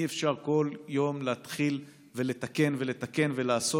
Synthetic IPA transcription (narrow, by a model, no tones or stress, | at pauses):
iefʃaʁko̞ljo̞mleːt̪χil | ve̞le̞t̪ake̞nve̞le̞t̪ake̞nve̞laːso